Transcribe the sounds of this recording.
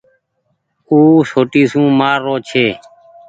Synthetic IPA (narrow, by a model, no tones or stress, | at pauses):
uːsoːʈiːsũːmaːɾːoːt͡ʃʰeː